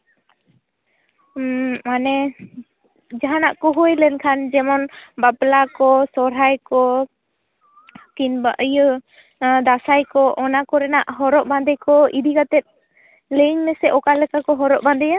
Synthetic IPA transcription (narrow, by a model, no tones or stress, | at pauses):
manɛ | d͡ʒaɦanaʔkɔɦujlɛnkʰand͡ʒɛmɔnbaplakɔsɔɾajkɔ | kinbaʔəjə | d̪asajkɔʔɔnakɔɾɛnaʔɦɔɾɔʔband̪ɛjkɔid̪iɡat̪ɛt̪̚ | leɲmɛsɛʔɔkalɛkakɔɦɔɾɔʔband̪ɛja